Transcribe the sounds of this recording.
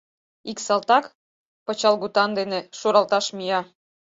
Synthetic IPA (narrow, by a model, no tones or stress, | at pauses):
iksɑlt̪ɑk | pɤ̆t͡ɕɑlɣut̪ɑnd̪enĕʃuɾɑlt̪ɑʃmijɑ